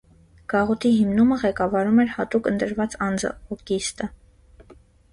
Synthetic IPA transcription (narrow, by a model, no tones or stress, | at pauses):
ɡ̥ɑʁɔt̪ʰiɦimnuməʁɛkɑvɑɾumɛɾhɑt̪ukənt̪əɾvɑt͡sɑnd͡zə̰ɔkist̪ə